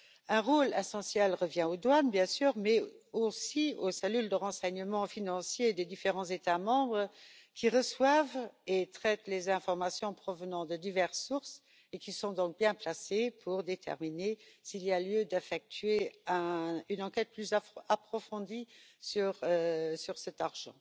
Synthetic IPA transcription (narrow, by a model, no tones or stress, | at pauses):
ɛ̃ʁolɛsɑ̃sjɛlʁəvjɛ̃od̪wanbjɛ̃syːʁmɛosiosɛlyld̪əʁɑ̃sɛɲəmɑ̃finɑ̃sjed̪ed̪ifeʁɑ̃zet̪amɑ̃bʁəkʰʲiʁəswavet̪χɛt̪lezɛ̃fɔʁmasjɔ̃pχɔvənɑ̃d̪əd̪ivɛʁsuʁs | ekisɔ̃d̪ɔ̃k̚bjɛ̃plasepʰuʁd̪et̪ʰɛ̰ʁminesiːlialjød̪efɛk̚t̪ʰɥeɛ̃ynɑ̃kɛt̪̚plyzaapχɔfɔ̃d̪isyʁøsyʁsɛt̪aʁʒɑ̰̃